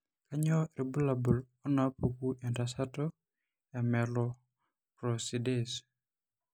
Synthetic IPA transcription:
ka˦ɲɔ˦ɾe˨bu˦la˨bu˨l | ɔ˦na˨pu˨ku˦ʔe˨nta˨sa˦tɔ˦ | ɛ˨mɛ˨lɔ˨ | pɾo˨si˨de˦s

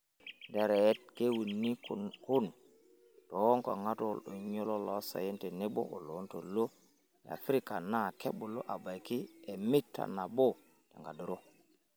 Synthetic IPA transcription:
nde˨ɾe˨˦t̚ke˦wu˨nːi˦ku˦n | to˨wo˦ŋko̰˨ŋa˦to˦lo˨ɲo˦lo˦lo˨˦sa̰˨je˦nte˨ne˦bo̰˦ʔo˨lo˨˦nto˨lo˦ | ja̰˨fɾi˦ka˨na˦˨ke˦ɓu˨lo̰˦ʔa˨ba˨jki˦e˨mi˦tːa̰˨na˨bo˦ | tḛ˨ŋɡa˨du˨ɾo˦

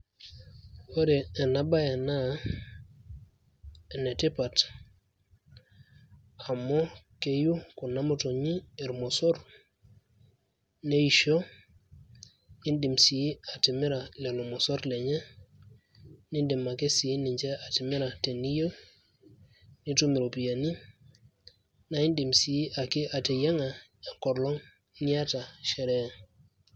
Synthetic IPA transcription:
o˦ɾɛː˨na˦ba˦je˨na˦˨ | nɛ˨ti˦pa˨t | a˨mɔ˦ke˦ju˦ku˨na˦mo˦to˨ɲi˦ɛ˨ɾmɔ˨sɔ˦ɾ | ne˦i˨ʃo˦ | i˦ndi˨msi˨˦a˨ti˨mi˦ɾa˨lɛ˨lo˨mɔ˨sɔ˦ɾlɛ˨ɲɛ˦ | ni˦ndi˨mːa˨ke˦si˨˦ni˨ɲd͡ʒɛ˦a˨ti˨mi˦ɾa˨te˨ni˦jə˦ | ni˦tu˦mi˨ɾo˨pi˨ja˨ni˦ | na˨i˦ndi˨msi˨˦ʔa˨ki˦ʔa˨te˨ja˦ŋa˨a˨ŋkɔ˨ɾlɔ˦ŋ | ni˦a˦ta˨ʃɛ˨ɾɛ˦

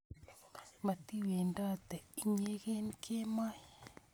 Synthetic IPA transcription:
ma˨t̪i˦we˨nda˦t̪ɛ˨i˨ɲe˦ɣe˦nkʰe˦ma˦j

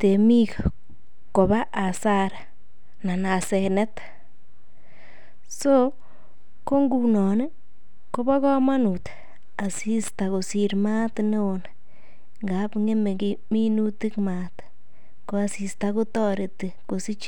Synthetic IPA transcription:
t̪e˨mi˦ka˨ | ko˨βa˦ʔa˨sa˦ɾa˨ | na˨na˨se˨ne˦t̪ḁ | so˦ | ko˦ŋɡu˨nɔ˨ne˦ | ko˦ba˦kɔ˦ma˦nu˨t̪ḁ | a˨si˦st̪a˨ko˨si˨˧ɾma˦t̪ne˦o˨na | ŋɡa˨˦pŋe˦me˨ɡi˦mi˦nu˦t̪i˦kma˨t̪ | ko˨˦a˨si˨st̪a˧kʊ˦t̪ɔ˦ɾe˨t̪i˨ko˨si˦t͡ʃ

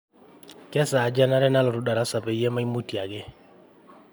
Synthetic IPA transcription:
kɛ˦saː˨d͡ʒa˦na˦ɾɛ˦na˦lɔ˨ɾu˦da˨ɾa˦sa˨pɛ˨ijɛ˦ma˦i˦mu˦ti˨a˨ɡɪ˦

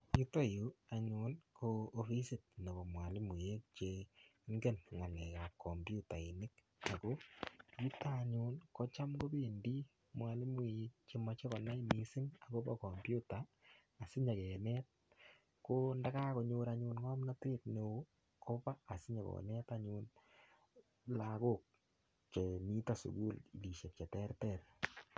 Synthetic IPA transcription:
ji˦to˦ju˨a˨ɲu˨nkʰoː˧˨fi˦sɪ˨t̚na˨bo˨mwa˨lɪ˦mi˨je˦k̚t͡ʃeŋɡe˦nŋa˨lɛ˨ka˨kʰːo˨mbju˦ta˨ɪ˨nɪ˦k | a˨ko˦ji˦ta˦˨ɲuː˦nkɔ˦t͡ʃa˦mɡo˦bi˦˨ndi˦ | mwa˨lɪ˦mwi˨je˦k̚t͡ʃe˦ma˦t͡ʃe˦kɔ˨na˦jmi˨sɪ˦ŋa˨ko˦ba̰˦kɔ˨mbju˦taː˨ | sɪ˦ɲa˨kɛ˨nɛ˦t̚ | ko˦nda˦ka˦ko˨ɲoː˦ɾaɲu˦nŋɔ˦mna˦te˦tne˨o˦ | kʰo˦paː˦˨sɪ˦ɲa˨kɔ̰nɛ˦taɲuːn | lako˦˨k̚ | ke˨mi˦ta˦sṵ˨ɡu˦li˨li˨ʃe˨t̚kɛ˨tɛ˦rtɛr

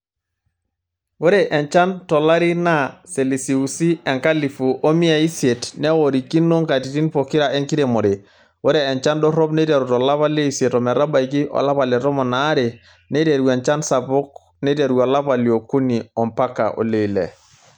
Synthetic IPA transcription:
wo˦ɾe˨ʔɛ˨nt͡ʃa˦ntɔ˨la˦ɾi˦na˦se˨li˨si˨u˨si˦ɛ˨ŋka˦li˨fu˨ʔo˦mi˦a˨i˦se˨tnɛ˦wo˨ɾi˨ki˦nːo˦ŋka˨ti˨ti˦npo˨ki˦ɾa˨e˦ŋki˦ɾe˨mo˨ɾe˨ | wo˦ɾeː˨nt͡ʃa˦ndɔ˦ɾɔ˦pne˦ta˨ɾu˨tɔ˨la˦pa˦le˦i˨se˨tɔ˨mɛ˨ɾa˦ba˨iki˦ʔɔ̰˨la˦pa˨le˨tɔ˦mɔ˨naː˨˦ɾe˨ | ne˦te˨ɾuwe˨nt͡ʃa˦nsa˨pɔ˦k̚ | ne˦te˨ɾuwɔ˨la˦pa˨li˨o˨ku˦ni˨ɔ˨mpa˦ka̰˨ʔo̰˨le˦˨lḛ˨

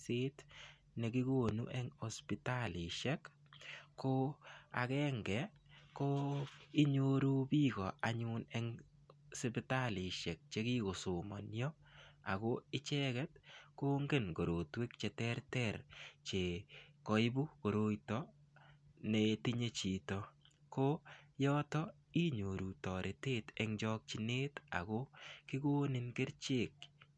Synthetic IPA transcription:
se˦t | ne˨ki˦ɡo˦nṵ˦ʔɛŋospitalɪ˨ʃɛ˦k | ko˦a̰˨kɛ˦ŋɡɛ˨ | ko˦ɪ˦ɲoɾu˦bi˦ɡɔ˨a˨ɲunɛ˦ŋ | sɪ˦pɪta˦li˨ʃɛ˨k̚t͡ʃe˦ki˦ko˨sʊ˨mɔ˨njɔ˦ | a˨ɣo˦ɪ˦t͡ʃɛkɛ˦t̚ko˦ŋɡe˦nɡo˨ɾo˨twe˦k̚t͡ʃɛ˨tɛɾtɛɾt͡ʃe˨kɔ˦ɪ˦bu˦ko˨ɾo˦jtɔ | neti˦ɲe˦t͡ʃi˨tɔ | ko˦jɔ˦tɔ˦ | i˦ɲo˨ɾu˨tɔ˨ɾʔe˨teː˦tɛŋd͡ʒɔ˦k̚t͡ʃi˦neː˦ta̰kokɪ˦ɡo˦nɪ˦nɡɪ˦ɾt͡ʃe˨k̚

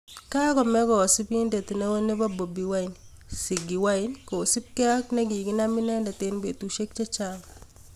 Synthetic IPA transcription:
ka˦kɔ˨mɛ˦kɔ˨sɪ˦pi˦nde˨t̪ne˦we˦ne˦ba˦bo˨bi˨wa˦ɪ˨n | sɪ˨ɡi˨wa˦ɪ˦nko˨sɪ˦p̚ki˦a˦knɛ˦ɡi˨ki˦na˦mɪ˦nɛ˦nda˨te˦nbe˨tu˨ʃe˦k̚t͡ʃa˦t͡ʃaŋ

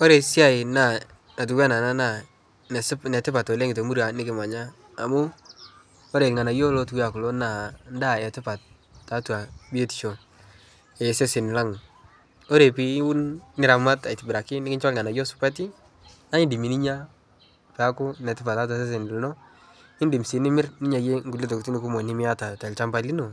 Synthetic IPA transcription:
ɔ˦ɾe˨si˦a˦˨ɪ˨na˨ | na˨t̬u˨kwa˦na˨na˦na˨ | nɛ˨snɛ˨tɪ˦pa˨tɔ˨lɛ˦ŋɪ˨to˨mu˦ɾa˨nɪ˦kɪ˨ma˨ɲaː˦˨ | mu˦ | o˦ɾe˨lŋa˨na˨jo˦lo˦tu˦wa˨kʊ˨lo˦na˨nda˦˨ɛ˨tɪ˦pa˨t̚ː | a˨˦twa˨bi˦e˦ti̥˨t͡ʃo˨ | ɛ˨se˦sɪ˨n˨la˦ŋ˨ | ɔ˦ɾe˨pi˨˦u˦nnɪ˨˦ɾa˨ma˦ta˨i˨tɪ˨bɪ˨ɾa˨kɪ˦nɪ˦kɪ˦nt͡ʃɔ˦lŋa˨na˨jo˦sʊ̥˦pa˦t̬i˦ | na˦ɪ˦ndi˨mi˨ni˦ɲa˦ | pɛ˨a˦kʊ˦nɛ˨tɪ˦pa˨ta˦t̬wa˨s̬e˦s̬ɪ˨n˨lnɔ˦ | ɪ˦ndi˨msi˨˦nɪ˦mɪ˦rni˦ɲa˨je˦ŋɡu˨le˦t̬o˨kti˦nɪ˦ku˦mɔ˨nɪ˦mɪ˦a˦ta˨tɛ˨lt͡ʃa˦mba˨li˦no˨

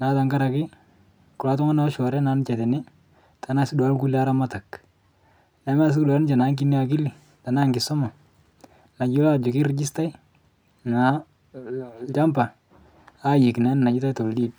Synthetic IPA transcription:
na˨˦ta˨ŋka˦ɾa˨kɪ˦ | kʊ˨la˨˦tʊ˦ŋa˦na˨˦ʃɔ˨ɾɛ˦na˨˦n˦t͡ʃɛ˨tɪ˨nɪ˦ | ta˨na˦˨sɪ˦da˦lku˦li˦a˦ɾa˦ma˦ta˨k | na˨˦m˦a˦˨s̬ɪ˦kda˨ln˦t͡ʃa˨na˨˦ŋk̬ɪ˦nɪ˦a˨k̬ɪ˦li˨ | ta˨naː˦ŋɡɪ˨sɔ˦ma˨ | na˨d͡ʒi˦la˦d͡ʒʊ˨kɪ˦ɾd͡ʒɪ˦sta˦i˦ | na˨˦ | t͡ʃa˦mpa˨ | a˦ji˨kna˨˦n˨na˨d͡ʒɪ˦ta˦jto˨ldiː˦d̚

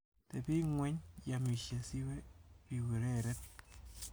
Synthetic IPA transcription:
tepi˦ŋwɛ˦ɲjami˨ʃje˨si˦wɛ˦pi˨we˨ɾɛɾɛ˦t̚

